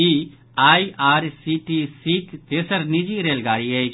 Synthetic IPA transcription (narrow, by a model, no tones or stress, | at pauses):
i | aːiʔaːɾsiʈisikt̪eːsəɾnid͡ʒiɾeːlɡaːɾiet͡ʃʰ